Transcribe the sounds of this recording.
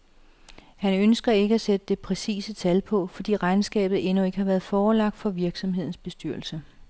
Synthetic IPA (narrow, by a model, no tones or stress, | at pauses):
hænønsɡ̥ɐe̝ɡ̥əæsed̥əd̥e̝pʰʁɛsḭːsət͡sʰælpʰɒ̽fɒ̽d̥ḭːʁɑ̈ɪnsɡ̥ɛ̰ːb̥ð̞̩ˠe̝nue̝ɡ̥əhɑ̈ʋæɐð̩ˠfɒːlɑ̈ɡ̥̚d̥fɒ̽ʋiɐɡ̥sɒ̽mhe̝ð̰ˠn̩sb̥e̝sd̥yɐl̩sə